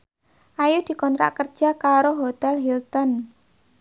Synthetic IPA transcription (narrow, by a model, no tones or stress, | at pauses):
ʔajud̪̥i̤kɔnt̪ɾa̰ʔkərd̥ʒ̥a̤kaɾoɦot̪ɛlɦilt̪ɔn